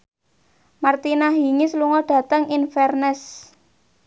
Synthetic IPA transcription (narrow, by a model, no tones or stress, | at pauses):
mart̪inaɦiŋisluŋɔɖ̥a̤t̪əŋinfɛrnɛs